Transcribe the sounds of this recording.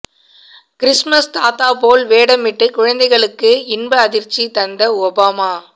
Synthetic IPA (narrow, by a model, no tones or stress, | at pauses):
kɪɾɪsmɐst̪aːt̪aːpoːlʋeːɽɐmɪʈːɯkʊɻɐnd̪ɐɪɣɐɭɯkːɯɪnbɐːðɪɾt͡ʃːit̪ɐnd̪ɐɔbaːmaː